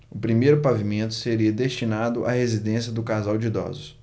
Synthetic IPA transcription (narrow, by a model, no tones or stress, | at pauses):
ʊpɾimejɾʊpavimẽnt̪ʊ̥seɾiɐd̪est͡ʃinad̪ʊʔa̰hezid̪ẽsjɐd̪ʊkazawd͡ʒɪid̪ɔ̰zʊs